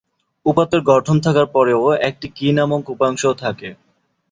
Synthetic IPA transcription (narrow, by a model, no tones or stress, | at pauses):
upat̪ːeɾɡɔʈʰont̪ʰakaɾpɔɾeoek̚ʈikinamokupaŋʃot̪ʰake